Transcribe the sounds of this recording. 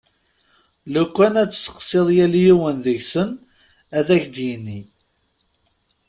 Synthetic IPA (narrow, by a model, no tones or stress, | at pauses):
lukʷːænæt͡sːsə̥qseðˤjælijiwənðəʝsən | æðæçd̪jinːi